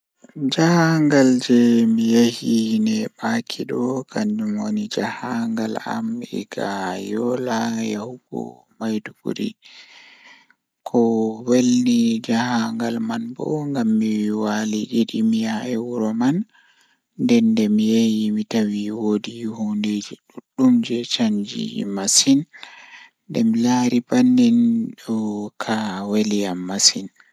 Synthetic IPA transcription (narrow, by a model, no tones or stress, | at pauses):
d͡ʒahaŋɡald͡ʒɛmijehinɛbakʰiɗɔkʰandumonid͡ʒahaŋɡala̰mɛ̰ɡajɔlajahuɡɔ̰ | majduɡṵɾḭ | kʰɔwelnid͡ʒahaŋɡalmanbɔ̰ŋɡamːiwiwaliɗiɗimijaɛwuɾɔmanː | dɛndɛmijejimitawiwodihunded͡ʒiɗuɗːumd͡ʒɛt͡ʃaɲd͡ʒḭmasin | dɛmilaɾibanːinɗɔkʰaweljamːasin